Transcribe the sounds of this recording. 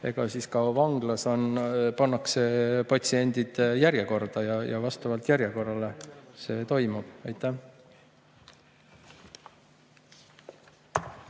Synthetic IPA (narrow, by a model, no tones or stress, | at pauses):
e̞̰ɡ̥ɑsiːskɑvɑŋɡ̥lɑso̞npɑnːɑkse̞pɑt̪sie̞nʲd̪̥id̪̥jæɾjeko̞rd̪̥ɑjɑjɑ̰vɑst̪ɑvɑlt̪jæɾjeko̞rːɑle̞se̞ːt̪o̞jmub̥ɑjt̪ˑːæh